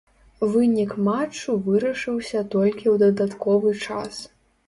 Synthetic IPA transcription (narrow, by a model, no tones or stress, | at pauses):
vɨnʲikmat͡ʂːuvɨɾɐʂɨwsʲɐt̪ɔlʲkʲiwd̪ɐd̪at̪kɔvɨt͡ʂas